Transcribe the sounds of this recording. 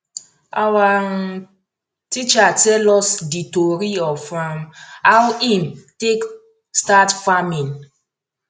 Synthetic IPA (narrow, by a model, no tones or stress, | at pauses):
awa | tit͡ʃatɛlɔsditoɾiɔfamawimtek | statfamĩn